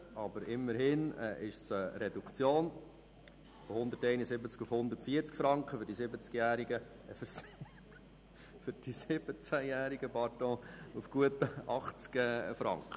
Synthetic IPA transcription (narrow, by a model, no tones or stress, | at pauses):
ɑbəɾɪmːəɾhɪnɛ̰ʔɪʃsəɾɛd̪ukt͡sjoːn | fohʊnd̪əɾtɛɪnəsɪbət͡skufhʊnd̪əɾtfiːəɾt͡skfɾɑŋkχəfʏɾdisɪbət͡skjæːɾiɡə | əfəɾs | fʏɾd̥isɪb̥ət͡sæjæːɾiɡ̥əpɑɾt̪ɔ̃ːufɡ̥uətəɑχt͡skɛfɾɑ̰ŋkχə